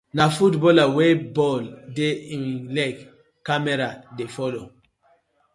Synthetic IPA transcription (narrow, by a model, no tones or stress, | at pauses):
nafutbɔlawebɔldeĩnlɛk | kːamɛɾadefɔlo